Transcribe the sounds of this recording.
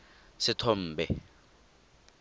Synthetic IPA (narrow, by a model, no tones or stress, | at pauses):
sɪtʰɔm̩ːbɛ